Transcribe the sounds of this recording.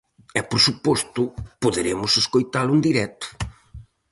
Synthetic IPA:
ɛpoɾsupɔst̪ʊpoðeɾemʊseskojt̪alʊnd̪iɾɛt̪ʊ̥

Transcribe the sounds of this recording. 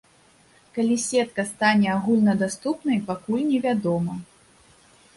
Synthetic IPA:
kalʲisʲɛt̪kɐst̪anʲɛaɣulʲnɐd̪ast̪upnɐjpakulʲnʲɛvʲad̪ɔmɐ

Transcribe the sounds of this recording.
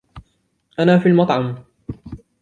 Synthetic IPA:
ʔanaːfiːlmɑt̪ˤʕɑm

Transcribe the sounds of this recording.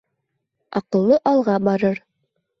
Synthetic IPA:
ɑqɤ̆lˠːɤʔɑlˠʁɑbɑɾɤɾ

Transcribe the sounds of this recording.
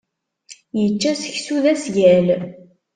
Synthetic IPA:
jət͡ʃːæsə̥çsuðæsʝæl

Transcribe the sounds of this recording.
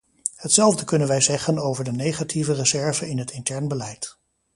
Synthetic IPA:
hətsɛlˠvdəkɵnənʋɛjzɛχənowvəɹdənejχatʰivərəzɛɹvəɪnɦətɪntɛɹnbəlɛjt

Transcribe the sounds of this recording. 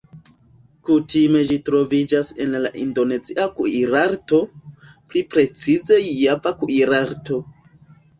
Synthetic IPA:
kutime̞d͡ʒitɾo̞vid͡ʒase̞̰nla̰ʔindo̞ne̞ziʔakuiɾaɾto̞ | plipɾe̞t͡size̞javakuiɾaɾto̞

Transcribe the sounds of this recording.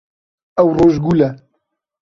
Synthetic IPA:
ɛwroːʒɡulɛ

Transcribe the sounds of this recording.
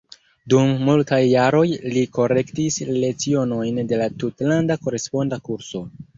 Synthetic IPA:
dumːultajːaɾo̞jliko̞ɾe̞ktisle̞t͡sio̞no̞jnde̞latutlandako̞ɾe̞spo̞ndakuɾso̞

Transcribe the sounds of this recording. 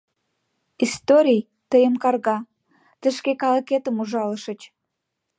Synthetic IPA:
ist̪oɾʲij | t̪əjəmkɑrɣɑ | t̪əʃkekɑləket̪əmuʒɑləʃə̆t͡ɕ

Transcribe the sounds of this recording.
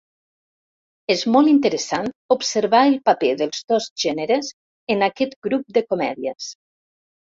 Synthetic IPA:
ezmɔlˠint̪əɾəsant̪upsəɾβaəlˠpapeðəlˠzd̪ɔzʒɛnəɾəz | ənakɛt̪ɡɾup̚d̪əkomɛ̰ðiəs

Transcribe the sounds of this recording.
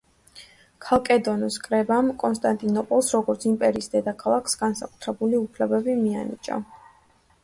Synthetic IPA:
kʰalˠkʼɛd̪ɔnɔskʼɾɛbamkʼɔnst̪ʼant̪ʼinɔpʼɔlˠsɾɔɡɔɾt̪sʰimpʼɛɾiːsd̪ɛd̪akʰalˠakʰsɡansakʼut̪ʰɾɛbuliupʰlɛbɛbimia̰nḭt͡ʃʼa̰

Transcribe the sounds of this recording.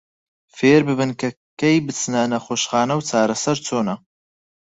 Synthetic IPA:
feːɾbɨbɨnkʰɐ | kejbɨt͡sɨnɐnɐχoːʃχaːnɐwt͡sʰaːɾɐsɐɾt͡sʰoːnɐ

